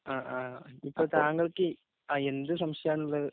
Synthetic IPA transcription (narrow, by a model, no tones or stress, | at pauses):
aːʔaːipːoːt̪aːŋɡɐɭɯkːɯ | aːend̪ɯs̬ɐmʂɐjaːnulːɐðɯ